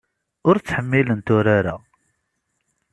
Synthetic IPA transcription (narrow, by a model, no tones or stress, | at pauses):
ʊɾt͡sːħəmːilənt̪ʊɾaɾa̰